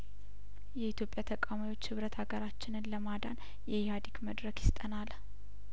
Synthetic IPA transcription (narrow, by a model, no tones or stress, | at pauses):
jɛit̪jo̞pʼjat̪ʰəkʼamajwo̞t͡ʃːhɨβɾət̪ʰaɡəɾat͡ʃːɪnɨnləmad̪an | jɛjihad̪ikməd̪ɾəkjɪst̪ʼənal